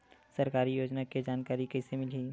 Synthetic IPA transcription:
sɐɾkaːɾijoːd͡ʒnaked͡ʒaːnkaːɾikɛɦsemɪliː

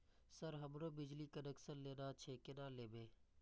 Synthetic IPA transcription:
səɾɦəmɾoːbɪd͡ʒliːkənəksənleːnaːt͡ʃʰeːkeːnãːleːbeː

